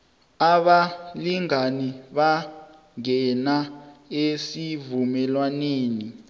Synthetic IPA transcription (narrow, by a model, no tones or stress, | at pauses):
aɓaliŋaniɓa | ŋɛnaesivumɛlwaneːni